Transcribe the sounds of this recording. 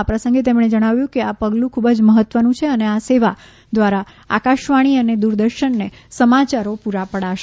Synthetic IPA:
apɾəsə̃ŋɡet̪̬emɳ̃ed͡ʒəɽ̃aʋjũkeapəɡlũkʰubəd͡ʒməɦət̪ʋənũt͡ʃʰeəneaseʋa | d̪ʋaɾa | a̰kaʃʋaɽ̃iəned̪uɾd̪əɾʃənːesəmat͡ʃaɾopuɾapəɽaʃe

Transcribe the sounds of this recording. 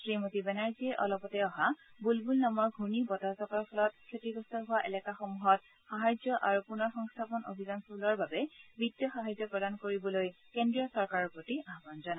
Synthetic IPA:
sɹimotibɛnaɹziɛʔɔ̰lɔpɔtɛɔɦabulbulnamɔɹɡʱunibɔtazɔkaɹɔpʰɔlɔt̚kʰːetiɡɔstʰɔɦʊwaʔɛlɛkaxomuɦɔt̚ | xaɦajzɔʔaɹupunɔɹxɔŋst̪ʰapɔno̰bʱizɔnskulɔɹbabɛbidjɔxaɦajzɔpɹɔdankoɹibɔloj | kendɹiɔsɔɹkaɹɔɹpɹotiaɦbanzana

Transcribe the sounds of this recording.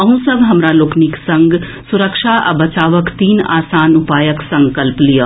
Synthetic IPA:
ɐɦũsəʋɦɐmɾaloːkniksɐ̃ŋɡ | sʊɾəkʃaʔɐ̰bɐt͡ʃaːʋəkt̪iːna̰ːsaːnʊpaːjəksɐ̃ŋkəlplijaː

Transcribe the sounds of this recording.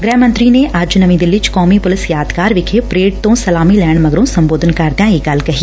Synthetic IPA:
ɡɾɛːmɐ̃nt̪ɾineaːd͡ʒunɐmĩd̪ɪlːit͡ʃkɔːmipʊlɪsjaːd̪kaːɾʋɪkʰepɾeːɖ̚t̪õsɐlaːmilɛːɽ̃mɐɡɾõsɐ̃mboːd̪ʱənkɐɾd̪jãiɡɐlkɐɦi

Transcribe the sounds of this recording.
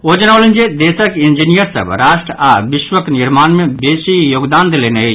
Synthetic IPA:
od͡ʒənaʊlənd͡ʒed̪esəkind͡ʒinijəɾsə̰bɾaʃʈɾabiʃwəkniɾmanmebesijoɡd̪and̪eleneɦə

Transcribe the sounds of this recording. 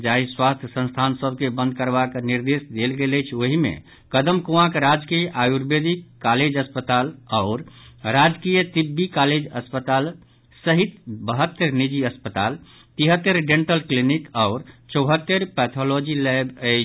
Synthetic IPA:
d͡ʒaɦiswast̪ʰjəsə̃nst̪ʰansəb̚kebə̃nd̪̚kəɾbakniɾd̪esd̪elɡeləjt͡ʃʰoɦimḛ̃ | kəd̪əmkuãkɾad͡ʒkijʔajuɾbed̪ikːaled͡ʒəspət̪alaʊɾɾad͡ʒkijət̪ibːikaled͡ʒəspət̪al | səɦit̪bəɦət̪ːəɾnid͡ʒiəspət̪al | t̪iɦət̪ːəɾɖẽɳʈəlklinikaʊɾt͡ʃəʊɦət̪ːəɾpɛt̪ʰolod͡ʒilɛbəɪt͡ʃʰ

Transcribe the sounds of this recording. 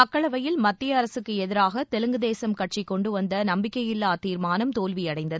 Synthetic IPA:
ɐkːɐɭɐʋɐjɪlmɐt̪ːɪjɐɐɾɐsɯkːɯɛðɪɾaːɣɐt̪ɛlɯŋɡɯðeːsɐmkɐʈ̚ʂikːɔɳɖɯʋɐnd̪ɐnɐmbɪkːɐjɪlːaːt̪iːɾmaːnɐmt̪oːlʋijɐɽɐɪnd̪ɐðɯ

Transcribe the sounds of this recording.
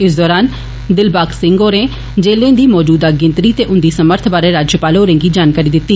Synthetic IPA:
ɪsd̪ɔːɾaːn | d̪ɪlbaːksɪ̃ŋɡɦoːɾẽː | d͡ʒeːlẽːd̪iːmɔːd͡ʒuːd̪aːɡɪ̃nt̪ɾiːt̪eːʔʊnd̪iːsəməɾt̪ʰbaːɾeːɾaːd͡ʒjəpaːlɦoːɾẽːŋɡiːd͡ʒaːnkaːɾiːd̪ɪt̪ːiː

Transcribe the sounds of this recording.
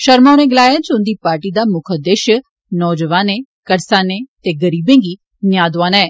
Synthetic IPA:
ʃəɾmãːnẽːɡɪlaːjaːd͡ʒʊnd̪iːpaːɾʈiːd̪aːmʊkʰəd̪əʃ | nɔːd͡ʒəʋaːnẽːkəɾsaːnẽːt̪eːɡəɾiːbẽːŋɡiː | njaːd̪ʋaːnɛː

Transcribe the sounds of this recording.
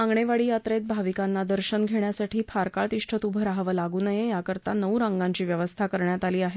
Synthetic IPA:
ãŋɡɳeʋaɭiːjatt̪ɾet̪̚bʱaʋikanːad̪əɾɕənɡʱeɳjasaʈʰiːfʰaɾkaɭt̪iʂʈʰət̪ubʱəɾaɦʋəlaɡuːnəjejakəɾt̪anəwɾãŋɡãɲt͡ɕiːʋjəʋəst̪ʰakəɾɳjat̪aliːaɦe

